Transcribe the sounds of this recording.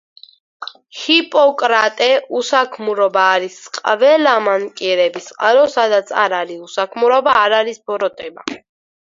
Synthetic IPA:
hipʼɔkʼɾat̪ʼɛusakʰmuɾɔbaːɾisqʼvɛlamankʼiɾɛbisqʼalɔsad̪at̪sʰa̰ɾaɾiusakʰmuɾɔbaːɾaɾisbɔɾɔt̪ʼɛba

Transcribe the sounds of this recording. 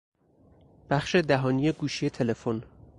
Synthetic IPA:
b̥æxʃe̞d̪æɦɒːnijeɡuːʃije̞t̪ʰe̞le̞fon

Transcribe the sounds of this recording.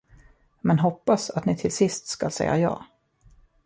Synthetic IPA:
mɛnɦɔpːasat̪nɪt̪ʰɪlsɪst̪skalsɛjːa̰jɑ̰ː

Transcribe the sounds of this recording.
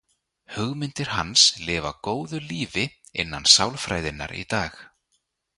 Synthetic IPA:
hʏɣmɪnt̪ɪɾ̥ɦanslɪːva̰koːwðʏliːvɪɪ̰nːansawlfɾaːjðɪnːa̰ɾḭt̪aːx

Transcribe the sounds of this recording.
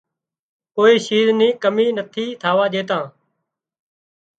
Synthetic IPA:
koːiːʃiːznĩːkəmiːnət̪ʰiːt̪ʰaːʋaːʄeːt̪ãː

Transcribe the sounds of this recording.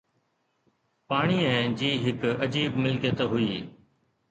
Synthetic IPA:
paːɽ̃iːɛ̃ːd͡ʑiːɦɪkɐd͡ʑiːbmɪlkjət̪ɦʊiː

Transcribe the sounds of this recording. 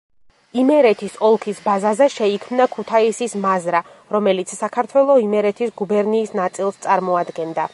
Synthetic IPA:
imɛɾɛt̪ʰisɔlˠkʰisbazazɛʃɛikʰmnakʰut̪ʰaisismazɾa | ɾɔmɛlit̪sʰsakʰaɾt̪ʰwɛlˠɔimɛɾɛt̪ʰisɡubɛɾniːsnat̪sʼilˠst̪sʼaɾmɔad̪ɡɛnd̪a

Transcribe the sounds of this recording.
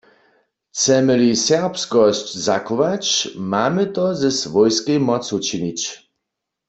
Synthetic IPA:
t͡sɛmɘlisɛʁpskɔɕt͡ɕzakɔvat͡ɕmamɪt̪ɔzɛsvɔjskejmɔsut͡ʃiɲit͡ɕ

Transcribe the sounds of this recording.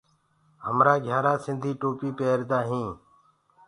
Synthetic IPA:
ɦəmɾaːɡʱjaːɾaːsɪnd̪ʱiːʈoːpiːpeːɾd̪aːɦĩː

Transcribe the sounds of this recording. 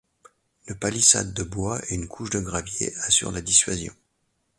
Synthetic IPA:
ləpalisa̰d̪ːəbwaeynkʰuʃd̪əɡʁavjḛasy̰ʁlad̪isɥazjɔ̰̃

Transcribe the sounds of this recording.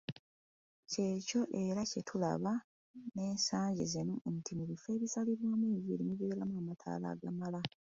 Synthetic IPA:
ce̞ːco̞ʔe̞ɾacetʰula̰βa | ne̞ːnsaːɲɟezenuntimuβife̞ːβisaliɾwo̞ːmwiːvilimiβeːɾamuamatʰa̰ːla̰ɡa̰mala

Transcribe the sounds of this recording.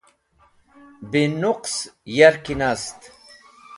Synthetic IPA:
binuqsjɐɾkinast̪

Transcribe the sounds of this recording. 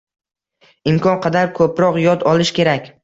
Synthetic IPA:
ɪmkʰɒnqʰɑd̪aɾkʰɵpɾɒqjɒd̪ɒlˠɪʃkʲʰe̞ɾakʲ

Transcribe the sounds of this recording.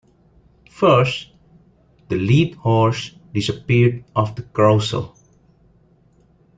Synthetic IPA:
fəɹs | d̪əlid̚hɔɹs | disəpiɹdʔɔfd̪əkɹoʊsə̰l

